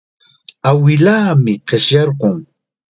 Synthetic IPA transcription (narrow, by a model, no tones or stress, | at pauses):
awɪlaːmɪqeʃjɑɾɢʊŋ